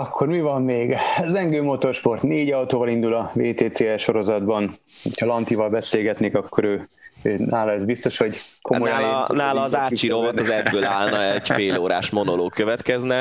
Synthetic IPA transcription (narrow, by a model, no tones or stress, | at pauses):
ɒkːo̞rmivɒmːeːɡzɛŋɡøːmot̪o̞rʃpo̞rt̪neːɟɒwt̪oːvɒlind̪ulɒveːt̪eːt̪seːɛʃo̞ɾo̞zɒd̪bɒn | hocʰɒlɒnt̪ivɒlbɛseːlɡɛt̪neːkɒkːo̞ɾøː | øːnaːlɒɛzbist̪o̞ʃho̞ɟkʰo̞mo̞jnaːlɒːzaːt͡ʃiɾɾovot̪ɒzɛbːøːlaːlnɒɛɟfeːloːɾaːʃmo̞noloːkːøvɛt̪kɛznɛ